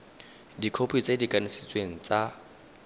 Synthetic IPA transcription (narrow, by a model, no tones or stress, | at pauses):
dikʰopʰit͡sʼedikʼanɪsɪt͡sʼweŋ̩t͡sʼa